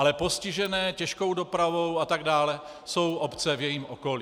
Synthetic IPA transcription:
alɛpo̞scɪʒɛnɛːcɛʃko̞wdo̞pɾavowat̪aɡdaːlɛ | so̞wʔopt͡sɛvjɛjiːmʔoko̞li

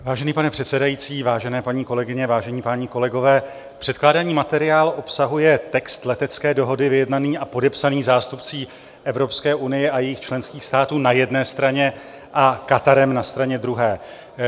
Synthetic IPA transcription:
vaːʒɛniːpanɛpr̥ɛt̪sɛdajiːt͡siːvaːʒɛnɛːpaɲiːko̞lɛɡɪɲɛvaːʒɛɲiːpaɲiːko̞lɛɡo̞vɛː | pr̥ɛt̪̚klaːdaɲiːmat̪ɛɾɪaːlʔo̞psaɦujɛt̪ɛkst̪lɛt̪ɛt͡skɛːdo̞ɦo̞dɪvɪjɛdnaniːʔapo̞dɛpsaniːzaːst̪upt͡siː | ʔɛvɾo̞pskɛːʔunɪjɛʔajɛjɪxt͡ʃlɛnskiːxst̪aːt̪uːnajɛdnɛːst̪ɾaɲɛ | ʔakat̪aɾɛmnast̪ɾaɲɛd̪ɾuɦɛː

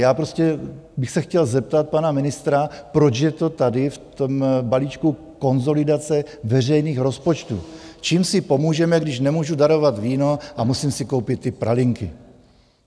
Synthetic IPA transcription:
jaːpɾo̞scɛbɪxsɛxcɛlzɛp̚t̪at̪̚panamɪnɪst̪ɾapɾo̞t͡ʃjɛt̪o̞t̪adɪft̪ombaliːt͡ʃku | ko̞nzo̞lɪdat͡sɛvɛrɛjniːxɾo̞spo̞t͡ʃt̪ṵːt͡ʃiːmsɪpo̞muːʒɛmɛɡdɪʃnɛmuːʒudaɾo̞vat̪viːno̞ʔamusiːmsɪko̞wpɪt̪ːɪpɾa̰lɪŋkɪ̰

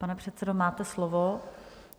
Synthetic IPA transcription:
panɛpr̝̥ɛt̪t͡sɛdomaːt̪ɛslovo

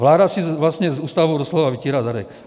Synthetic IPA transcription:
ʋlaːd̪asiʋlasɲɛzuːst̪aʋoʊd̪ɔslɔʋaʋiciːɾazaɾɛ̰k

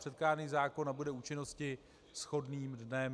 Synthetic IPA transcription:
rɛt̪̚kaːɾniːzaːko̞nːabudɛuːt͡ʃɪno̞scɪ | sxo̞dniːmdnɛm

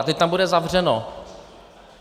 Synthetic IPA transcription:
t̪ɛc̚ʲt̪ambudɛzavr̝ɛno

